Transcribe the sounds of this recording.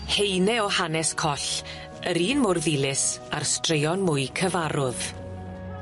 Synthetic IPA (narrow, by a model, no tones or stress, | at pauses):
hejnɛɔhanɛskʰɔɬ | əɾiːnmʊrðɪlˠɪsarstrejɔnmʊɨkʰəvaɾʊð̥